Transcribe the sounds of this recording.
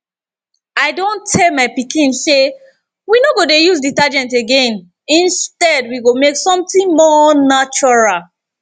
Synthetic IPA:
aɪdõntʰːɛlmaɪpikĩnse | winoɡodejuzditad͡ʒɛ̃nteɡẽn | ĩnstɛdwiɡomeksɔ̃mθĩŋmɔnat͡ʃɔɹal

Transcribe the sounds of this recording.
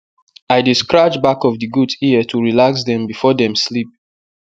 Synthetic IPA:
aɪdiskɹad͡ʒbakɔvdɨɡudiətʰuɹilaksdɛ̃mbifɔdɛ̃mslip̚

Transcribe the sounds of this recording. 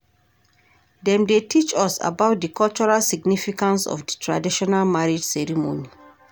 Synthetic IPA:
dɛ̃mdetʰit͡ʃɔsa̰bawt̚dikʰɔlt͡ʃɔɹalsiɡnifikãnsɔ̰fdətʰɹadiʃɔnalmaɹidsɛɹimo̰ni

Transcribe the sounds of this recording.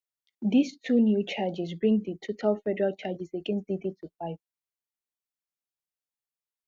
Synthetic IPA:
distʰunjut͡ʃʰad͡ʒɛsbɹĩŋditʰotʰalfɛdɛɹalt͡ʃʰad͡ʒɛseɡɛ̃nsd̥iditʰufaɪv

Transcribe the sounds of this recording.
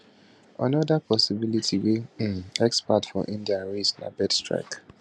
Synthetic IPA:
a̰nɔdapʰɔsibilitʰiweɛkspatfɔ̰ʔĩndiaɹisna̰bɛdstɹa̰k

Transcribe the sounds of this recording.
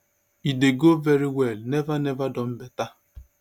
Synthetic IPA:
ideɡoveɾiwelnevanevadɔm̩beta

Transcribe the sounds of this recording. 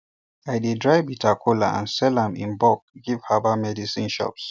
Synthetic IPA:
aɪdedɹaɪbitʰakʰola̰ã̰nsɛlãmḭ̃nbɔk̚ɡiv̥habamɛdisĩnʃɔ̰ps

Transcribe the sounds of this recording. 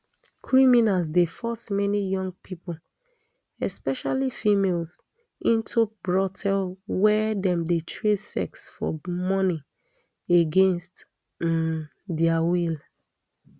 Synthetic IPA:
kʰɹiminals̬defɔsmɛnijɔ̃ŋɡ̚pʰipol | ɛspɛʃalifimels | ĩntʰubɹɔtʰɛlwɛdɛ̃mdetʰɹesɛ̰ksfɔ̰mɔni | eɡẽnst | dɛawil

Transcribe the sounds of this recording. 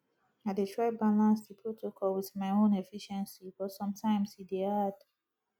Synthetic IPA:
adetʰɹaɪbalãnsdepʰɹotʰokʰɔlwiθmaɪõnefiʃɛ̃nsibɔsɔ̃mtʰãɪ̃mshidead

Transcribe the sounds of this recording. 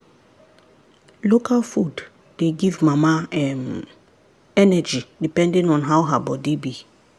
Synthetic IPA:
lokʰalfud | deɡivmamaɛm | ɛnɛd͡ʒidipɛ̃ndĩŋɔ̃nɦawɦabɔdebi

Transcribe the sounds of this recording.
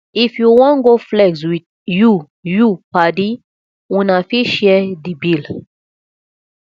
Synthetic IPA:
ifjuwɔ̃nɡoflɛɡswid | ju | jupadi | ũnafiʃɛdibil

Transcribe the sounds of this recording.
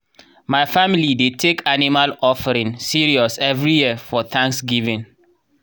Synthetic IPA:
maɪfamilidetʰekʰanimalɔfəɾĩŋsiɹiɔsɛvɹijiəfɔθʰãŋksɡivĩn

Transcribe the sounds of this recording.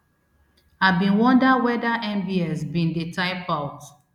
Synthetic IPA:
abĩnwɔ̃ndawɛdaʔɛ̃mbiɛsbĩndetaɪpaʊt

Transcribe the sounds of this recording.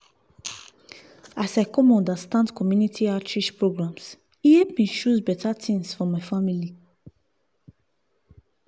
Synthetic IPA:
asajkɔmɔ̃ndastãndkʰɔmjunitʰiat͡ʃiʃpɹoɡɹãms | ihepmiʃusbɛtatĩŋsfɔmaɪfamili

